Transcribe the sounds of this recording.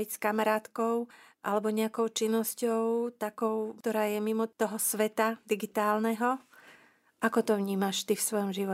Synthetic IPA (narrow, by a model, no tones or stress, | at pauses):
ɛcskamaɾaːt̪kɔʊʔa̰lɛbɔɲɛakɔʊt͡ʃinːɔscɔʊt̪akɔʊkt̪ɔɾaːjɛmimɔt̪ɔɦɔsʋɛt̪ad̪iɡit̪aːlnɛɦɔ | ʔakɔt̪ɔʋɲiːmaʃt̪ifsʋɔjɔmʒiʋɔ